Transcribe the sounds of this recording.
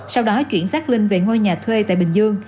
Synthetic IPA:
sa˧wɗɔ˨˦t͡ɕwḭ˧˨ənsaː˦˥k̚lï˧ŋ̟ve˨˩ŋo˧jɲaː˨˩t̪ʰwe˧t̪a̰ː˧˨jɓï˨˩ŋ̟zɨ˧əŋ

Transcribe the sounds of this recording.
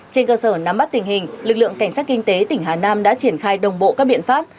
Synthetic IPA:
t͡ɕe˧nkəː˧səː˧˩na˨˦mɓa˦˥t̚t̪ï˨˩ŋ̟hï˨˩ŋ̟lɨ˨˩k̚lɨ̰˧˨əŋka˧˩ŋ̟saː˦˥t̚kï˧ŋ̟t̪e˨˦t̪ï˧˩ŋ̟ɦaː˨˩naː˧mɗa̰ː˧˥t͡ɕi˧˩ənxaː˧jɗə˨˩wŋ͡mɓo̰˧˨ʔkaː˦˥k̚ɓḭ˧˨ənfaː˦˥p̚

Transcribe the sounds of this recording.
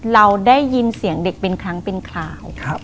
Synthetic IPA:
ɾa˧wdaː˥˩jːi˧nsi˨˩˦əŋde˨˩k̚pe˧nkʰɾa˦˥ŋpe˧nkʰlaː˨˩wʰ

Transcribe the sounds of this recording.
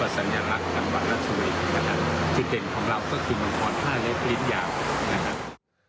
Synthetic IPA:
a˧˩sa˨˩˦njaː˧la˦˥k̚t͡ɕa˧ŋwa˨˩t̪̚ɾa˦˥t̪̚sʰu˧li˦˩kʰa˦˧kʰa˦˥t͡ɕi˨˧˩de˨˩nkʰɔː˩˦ŋɾa˧wkɔː˥˩kʰɯː˧ma˧npʰɔː˦˥nk̪ʰaː˥˩lɛ˦˥p̚li˦˥njaː˧˩wna˦˧kʰa˦˥p̚

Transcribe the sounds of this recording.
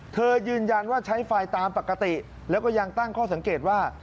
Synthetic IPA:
t̪ʰɤː˧jɯː˧nja˧nwaː˥˩t͡ɕʰa˦˥jfa˧jt̪aː˧mpa˨˩kːa˧t̪i˨˩ | lɛː˦˥wkɔː˥˩ja˧ŋt̪a˥˩ŋkʰɔː˥˩sa˩˦ŋkeː˨˩t̪̚waː˥˩

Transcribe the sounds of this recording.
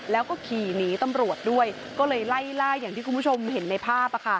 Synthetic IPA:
lɛː˦˥wkɔː˥˩kʰiː˨˩niː˦˥t̪a˧mɾu˨˩ət̪̚du˥˩əj | kɔː˥˩lɤː˧jla˥˩jlaː˥˩jːaː˨˩ŋt̪iː˥˩ku˧pʰu˥˩o˧mhe˩˦nːa˧jpʰaː˥˩p̚a˨˧kʰa˥˩

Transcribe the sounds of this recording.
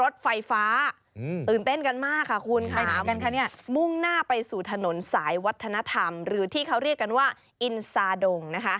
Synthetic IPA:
ɾo˦˥t̪̚fa˧jfaː˦˥ | t̪ɯː˨˩nt̪e˥˩nka˧nmaː˥˩kʰːa˥˩kʰu˧nkʰaa˧˩˦ka˧nkʰa˥˩ni˥˩ɐmu˥˩ŋnaː˥˩pa˧jsuː˨˩t̪ʰa˧no˨˩˦nsaː˩˦jwa˦˥t̪ʰːa˧na˦˧˥t̪ʰa˧mɾɯː˩˦t̪ʰiː˥˩kʰa˦˥wɾi˥˩əkːa˧nwaː˥˩ | ʔi˧nsaː˧do˧ŋna˦˥kʰa˦˥ʔ

